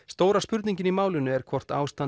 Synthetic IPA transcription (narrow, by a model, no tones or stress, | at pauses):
st̪oːwɾaspʏɾt̪niɲcɪnimaːwlʏnʏɛɾ̥kʰvɔr̥t̪aːwst̪a